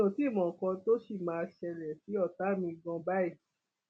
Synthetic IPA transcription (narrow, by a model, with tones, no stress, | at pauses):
õ˨ti˦˨mɔ̃˨kɔ̃˧to˦ʃi˦˨mãː˦˧ʃɛ˧lɛ˨fi˨˦ɔ˦˨ta˨˦mĩ˧ɡɔ̃˧ba˦i˦˨